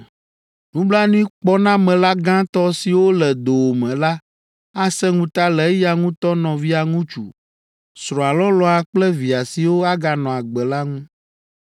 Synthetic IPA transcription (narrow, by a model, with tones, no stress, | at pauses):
nũ˦bla˦nĩ˦k͡pɔ˦nã˦mɛ̃˨la˦ɡã˦t̪ɔ˦si˨wo˦lɛ˨d̪o˨wo˨mɛ̃˨la˦ | a˦sɛ˦ŋũ˦t̪a˦lɛ˨˦ja˨ŋũ˦t̪ɔ˦nɔ̃˨vi˦a˨ŋũ˦t͡ʃṵ˨ | sɾɔ̃˨a˨lɔ˦lɔ˦a˨k͡plɛ˦vi˨a˨si˨wo˦a˦ɡa˨nɔ̃˨a˨ɡ͡bɛ˨la˦ŋũ˦